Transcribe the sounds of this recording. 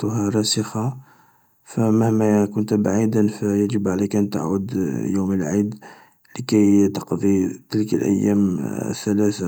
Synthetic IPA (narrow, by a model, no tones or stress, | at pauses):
t̪ɦæɾˤɑsəxɑ | fæmahmækʊnt̪baʕid̪ənfæjæʒəbʕalækʔænt̪a̰ʕud̪juməlʕid̪ | ləkæjt̪ɑqd̪ˤit̪əlkə̰lʔæ̰jːæ̰mθælæθa